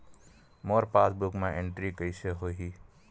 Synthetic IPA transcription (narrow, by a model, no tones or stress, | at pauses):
mɔːɾpasbukmẽʔeɳʈɾikəɪseɦoɦi